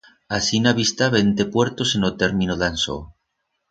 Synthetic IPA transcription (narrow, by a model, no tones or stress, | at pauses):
asinaβist̪aβent̪epweɾt̪osenot̪eɾmĩnoðanso̰